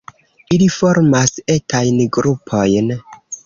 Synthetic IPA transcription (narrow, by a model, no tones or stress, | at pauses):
ilifo̞ɾmase̞tʰajnɡɾupʰo̞jn